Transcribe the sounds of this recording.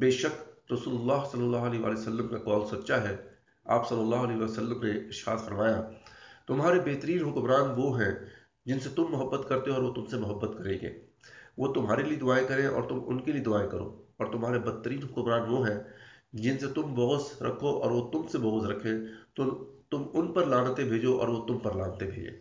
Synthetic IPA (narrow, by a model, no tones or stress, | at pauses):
beːʃək̪̚ɾɐsuːlʊlːaːɦsɐlːəlːaːɦʊɐleːʋa̰ːlejosəlːəmkakɔːlsɐt̪ːʃaɦɛ | aːpsɐlːəlːaːɦʊɐlɛːɦʋaːjosəlːəmneɪʃa̰ːt̪fɐɾmaːjat̪ʊmɦaːɾebeːt̪əɾiːnɦʊkmɾaːnʋoɦɛ̃ | d͡ʒɪnset̪ʊmːʊɦəbːət̪kɐɾt̪eɦɔːɾʋot̪ʊmsemʊɦəbːət̪kɐɾẽːɡḛː | ʋot̪ʊmɦaːɾelied̪ʊaːekɐɾẽɔ̰ːɾt̪ʊmʊnkelied̪ʊaːekɐɾo̰ːɔːɾt̪ʊmɦaːɾebɐt̪ːəɾiːnɦʊkəmɾaːnʋoɦɛ̃d͡ʒɪnset̪ʊmbɔɣzɾɐ̰kʰoʔɔ̰ːɾʋot̪ʊmsebɔɣzɾɐkʰẽt̪ʊt̪ʊmʊnpɐɾlaːnt̪ebʱeːd͡ʒoʔɔ̰ːɾʋot̪ʊmpɐɾlaːnt̪ebʱḛːd͡ʒḛː